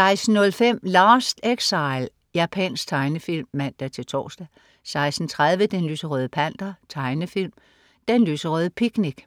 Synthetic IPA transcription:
sɑ̈ɪsn̩ːɔ̽lfem̰lɑ̈ːsd̥eɡ̥sɑ̈ɪl | jæːpʰɛnsɡ̥̚t͡sʰɑ̈ɪnəfil̰mːæn̰d̥æɐt͡sʰe̝lt͡sʰɒ̰ːsd̥æ | sɑ̈ɪsd̥n̩t͡sʰʁað̞ˠʋəd̥enlysəʁœð̞ˠəpʰæn̰d̥ɐt͡sʰɑ̈ɪnəfilm | d̥enlysəʁœðˠəpʰiɡ̥niɡ̥

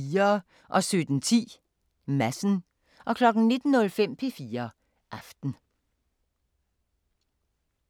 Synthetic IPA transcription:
iːɐ | ʔɒ̽sød̥n̩t͡sʰḭː | mæsn̩ | ʔɒ̽kʰlɒ̽ɡ̥n̩ne̝d̥n̩ːɔ̽lfem̰pʰe̝fiːɐ | ʔɑ̈fd̥n̩

